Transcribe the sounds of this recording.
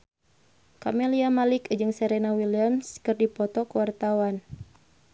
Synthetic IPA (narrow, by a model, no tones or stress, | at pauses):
kameliamalikd͡ʒɨŋsɛɾenawiliamskɨrdipɔt̪ɔkwart̪awan